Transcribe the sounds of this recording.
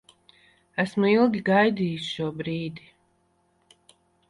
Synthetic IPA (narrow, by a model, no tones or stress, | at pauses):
æsmuilˠɡʲiɡajd̪iːjusʃuɔbɾiːd̪i